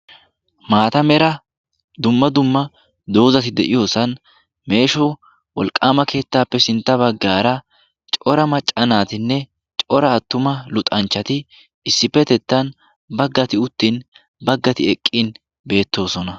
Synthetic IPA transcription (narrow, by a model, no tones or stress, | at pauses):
maːt̪ɐmɛɾɐ | d̪ʊmːɐd̪ʊmːɐ | d̪o̞ːzɐt̪ɪd̪ɛʔɪjo̞ːsɐn | me̞ːʃɔ | wɔlkʼːaːmɐke̞ːt̪ːaːpːɛsɪnt̪ːɐbɐɡːaːɾɐ | t͡ʃʼɔɾɐmɐt͡ʃʼːɐnaːt̪ɪnːɛ | t͡ʃʼɔɾɐːt̪ːʊmɐlʊt̪ʼɐnt͡ʃːɐt̪ɪ | ɪsːɪpːɛt̪ɛt̪ːɐn | bɐɡːɐt̪ɪʊt̪ːin | bɐɡːɐt̪ɪɛkʼːin | be̞ːt̪ːo̞ːsɔnɐ